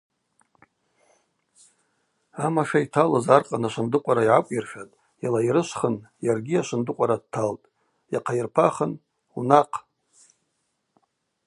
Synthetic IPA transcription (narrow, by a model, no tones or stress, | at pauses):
amaʃᶣaitʰalazarqʼanaʃʷɨndɨqʷʼaɾaiʕakʷʼjirʃᶣatʼ | jalaiɾɨʃʷχənjarɡʲiaʃʷɨndɨqʷʼaɾad̚tʰaltʼ | jaqʰajirpʰaχən | unaqʰʼ